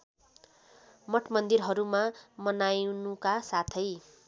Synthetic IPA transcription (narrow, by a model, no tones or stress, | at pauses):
mʌʈʰmʌnd̪irɦʌɾumamʌnajnukasat̪ʰʌj